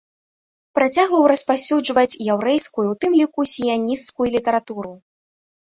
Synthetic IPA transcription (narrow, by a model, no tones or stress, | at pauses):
pɾat͡sʲaɣvɐwɾɐspasʲud͡ʐvɐt͡sʲjɛwɾɛjskujuwt̪ɨmlʲikusʲijanʲist̪skujulʲit̪ɐɾat̪uɾu